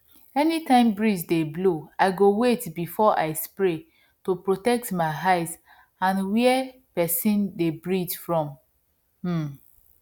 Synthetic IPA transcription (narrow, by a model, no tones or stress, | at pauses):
ɛnitãɪ̃mbɹid͡ʒdebloaɪɡowetbifɔʔa̰ɪspɹe | topɹotɛk̚tmaɪɦaɪt | ãnwɛ | pɛsĩndebɹidfɹɔ̃m̩